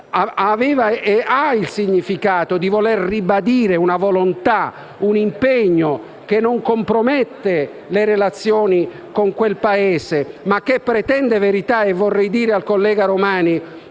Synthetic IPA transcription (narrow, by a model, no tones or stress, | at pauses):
aavɛːvaeailsiɲːifikaːt̪od̪ivolerribad̪iːɾeunavolont̪a | unimpeɲːo | k̟enːoŋkompɾomɛt̪ːe | leɾelat̪sːjoːni | koŋkwelpaeːsemak̟ːepːɾet̪ɛnd̪eveɾit̪aevːorːɛjd̪iːɾealkolːɛːɡaɾomaːni